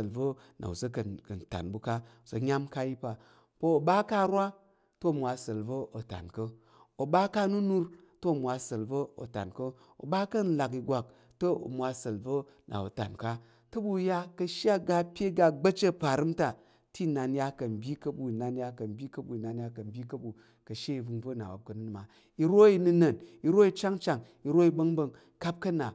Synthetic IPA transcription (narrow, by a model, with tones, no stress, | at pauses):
lvə˦ | na̰˨ṵ˨zɐ˦kɐ˨kɐ˨n̩˨ta̰˨nbu˦ka˦u˨sɐ˨ɲʲa˦mka˦i˦pa˨ | po˦o˨ba˦ka˦ɾwa˦ | to˦˨mʷ˨a˧sə˨lbə˦o˨ta̰˨nkə˦ | o˨ba˦ka˦nu˦nu˦ɾ | to˦o˨mʷ˨a˧sə˨lbə˦o̰˨ta̰˨nkə˦ | o̰˨ba˦kɐ˦n̩˦la˨k̬i˧ɡʷa˨k̚ | to˦o̰˨mʷa˧sə˨lvə˦ | nʔa̰˨o̰˨ta̰˨nka˦ | to˦bu˦ja˦kɐ˧ʃa˦ɡa˦pʲje˦ɡa˧ɡ͡bɐ˦t͡ʃe˦pa˨ɾɨ˦mta˨ | ti˦˨na˨nja˦kɐ˨m̩˨bʲi˦kɐ˦bu˦˨i˨na˨nja˦kɐ˨m̩˦bʲi˦kɐ˦bu˨i˨na˨nja˦kɐ˨m̩˨˦bʲi˦kɐ˦bu˨ | kɐ˨ʃe˦i˨bu˧ŋvɐ˦na̰˨wa̰˨p̚kɐ˨nɨ˦n˨ma˨ | i˧ɾo˦i˨˧nu˧nɐ˨ni˨ɾo˦i˧t͡ʃa˦ŋ˦t͡ʃa˨ŋ | i˨ɾo˦i˧bɐ˦ŋ˦bɐ˧ŋ | ka˦p̚kɐ˦na˨